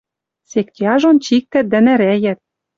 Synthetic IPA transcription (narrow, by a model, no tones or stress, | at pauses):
sek̚t̪ʲjɑʒont͡ɕik̚t̪æt̪̚d̪æ̆næɾæjæt̪̚